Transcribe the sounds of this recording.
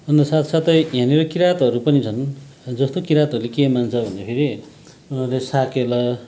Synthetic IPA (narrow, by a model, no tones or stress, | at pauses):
ʌnd̪ʌsat̪ʰsat̪ʌɦjãneɾʌkiɾat̪ʌɾupʌnit͡sʰʌn | d͡zʌst̪okiɾat̪ɦʌɾulekemant͡sʰʌbʱʌnd̪apʰeɾi | unʌrlesakelʌ